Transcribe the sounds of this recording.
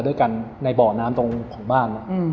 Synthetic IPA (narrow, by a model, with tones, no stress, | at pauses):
du˥˩əjka˧nːa˧jbɔː˨˩naː˦˥mt̪o˧ŋkʰɔː˩˦ŋbaː˥˩nːɔ˦˥ʔ